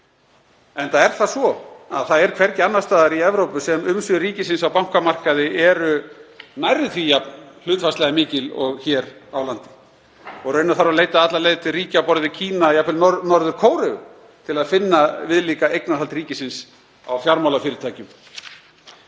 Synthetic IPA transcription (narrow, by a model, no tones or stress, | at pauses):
ɛnθaðɛɾ̥θasvɔa̰ðθaðɛɾkʰv̥ɛɾcɪanːast̪aːðaɾiɛvɾowpʏsɛmʏmsʏɾiːcɪsɪnsawpawŋ̥kamar̥kaðɪɛɾʏnajɾɪt̪ʰvijapnl̥ʏːt̪fast̪lɛɣamɪːcɪlɔ̰ɣçɛːɾawlant̪ɪ̥ | ɔɣɾrœɥnaθaɾaleːjt̪aat̪lalejt̪ɪriːcawpɔɾðɪcʰiːnajapʰɪlɔnɔɾðʏɾkʰoːwɾɪɣʏ | t̪ʰɪlaðfɪnːavɪðliːkaejknaðɦalt̪riːcɪsɪns | a̰wfjaɾmawlafɪːɾɪɾt̪ʰaːjcʏm